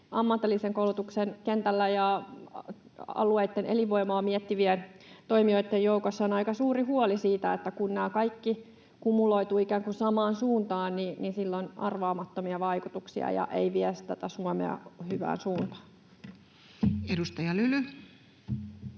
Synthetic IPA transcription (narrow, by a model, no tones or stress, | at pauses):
ʔɑmːɑt̪ːelːiseŋkoulut̪uksenkent̪ælːæjɑ | ɑ̰lueit̪ːenʔḛliʋoimoɑmiɛt̪ːiʋient̪oimioit̪ːejjoukosːɑonɑikɑsuːɾihuolisiːt̪æet̪ːækunːæːkɑikːi | kumuloit̪uːikæːŋkusɑmɑːnsuːnt̪ɑːnnininsilːonɑ̰rʋɑːmɑt̪ːomiɑʋɑikut̪uksiɑ̰jɑ̰ʔeiʋiɛsi̥t̪æt̪æsuɔmḛɑ̰hyʋæ̰ːnsuːnt̪ɑ̥ːn | edust̪ɑjɑlyly